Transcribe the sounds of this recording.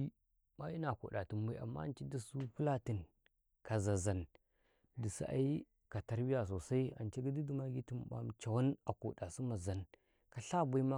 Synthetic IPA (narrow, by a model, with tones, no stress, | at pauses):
i˦ | ma˦i˦na˨ko̰˨ɗa˨ti˨mba˦ʔa̰˨mːa̰˦˨n˦t͡ʃi˦di˦su˦pu˦la˦ti˨n | ka˨za˨za˨n | di˨si˦ʔa̰˦i˦ | ka˨ta˦ɾbi˦ja˨s̬o˨sa˦i˦a̰˨nt͡ʃi˦ɡi˦di˦di˦ma˦ɡi˦ti˨m˨ba̰˨m˨t͡ʃa˨wa˦na˨ko̰˨da˨si˦ma˨za˨n | ka˨ɬa˦bu˦i˦ma˦